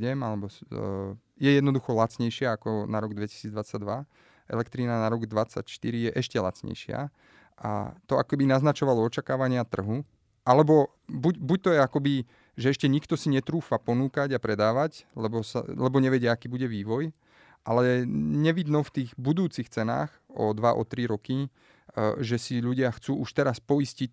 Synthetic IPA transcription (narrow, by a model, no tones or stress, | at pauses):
ɟɛmalɛbɔ | jɛjɛd̪nɔd̪uxɔlat͡sɲɛjʃɪaːkɔnaɾɔɡd̪ʋɛci̥siːd͡zd̪ʋat͡saɟd̪ʋa | ʔɛ̰lɛkt̪ɾiːnanaɾɔɡd̪ʋat͡sːa̰cʃt̪iɾijɛʔɛʃcɛla̰t͡sɲɛ̰jʃɪa̰ | ʔa̰t̪ɔakɔkɛbinaznat͡ʃɔʋalɔɔt͡ʃakaːʋaɲɪat̪r̩ɦu | ʔalɛbɔ | bucbuc̚t̪ɔjɛakɔbi | ʒɛɛʃcɛɲikt̪ɔsiɲɛt̪ɾuːfapɔnuːkaɟapɾɛd̪aːʋaɟlɛbɔsa̰lɛbɔɲɛʋɛɟɪaakiːbuɟɛʋiːʋɔj | ʔalɛɲɛʋid̪nɔft̪iːɣbud̪uːt͡sixt͡sɛna̰ːxɔ̰d̪ʋaʔɔ̰t̪ɾiɾɔki | ʒɛsiʎuɟɪaxt͡suːuʃt̪ɛɾaspɔiscic